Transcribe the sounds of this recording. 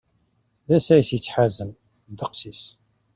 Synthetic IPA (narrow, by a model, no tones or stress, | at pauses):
ðæsæjəsjət͡sːħazəm | d̪əqsis